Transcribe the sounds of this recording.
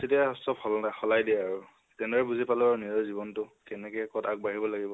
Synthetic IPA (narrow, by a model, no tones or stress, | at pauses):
setiasɔbhɔlɔnajxɔlajdiaɹu | tɛnɔɹɛbuzipalɔaɹniɔzibɔntʊkɛnɛkɛjkɔtak̚baɦibɔlaɡibɔ